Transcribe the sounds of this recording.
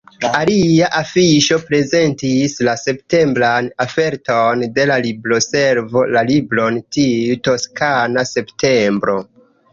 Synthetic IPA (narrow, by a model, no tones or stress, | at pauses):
aliaʔafiʃo̞pɾe̞ze̞ntislase̞pte̞mbɾanafe̞ɾto̞nde̞lalibɾo̞se̞ɾvo̞lalibɾo̞ntiuto̞skanase̞ptʰe̞mbɾo̞